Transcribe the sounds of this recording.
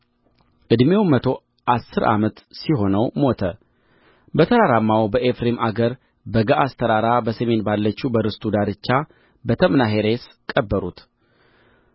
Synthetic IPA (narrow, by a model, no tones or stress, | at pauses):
ʔɨd̪me̞wmət̪ʰo̞ | ʔasːɨɾʔa̰mət̪siɦo̞nəwmo̞t̪ʰə | bət̪ʰəɾaɾamːawbəʔefɾemʔaɡəɾ | bəɡaʔast̪ʰəɾaɾabəsəme̞nbalːət͡ʃːubəɾɨst̪ʰʼud̪aɾɨt͡ʃːa | bət̪ʰəmnaɦe̞ɾe̞s | kʼːəbːəɾut̪